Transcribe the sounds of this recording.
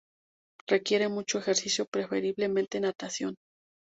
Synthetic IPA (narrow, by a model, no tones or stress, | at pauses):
re̞kje̞ɾe̞mut͡ʃoexeɾsisjo̞pɾe̞fe̞ɾiβle̞mẽnt̪e̞nat̪asjo̞n